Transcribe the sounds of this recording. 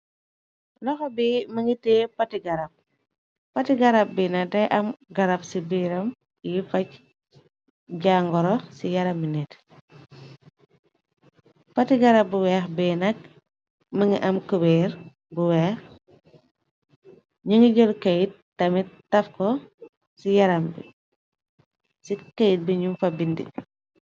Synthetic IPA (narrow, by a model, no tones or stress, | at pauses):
lɔxɔbimɐŋɡiteːpɐtiɡɐɾɐp̚ | pɐtiɡɐɾap̚binɐdɛjʔɐmɡɐɾɐpsibiɾɐm | jifɐc | ɟaːŋɡɔɾɔsijɐɾɐminɛt | fatiɡɐɾɐbuwɛːxbɛːnɐk̚ | məŋɡiʔɐmkubɛːɾ | buwɛːx | ɲiŋɡiɟɔlkejit̚ | tɐmit̚tɐfkɔ | sijɐɾɐmbḭ | sikejit̚biɲumfɐbindḭ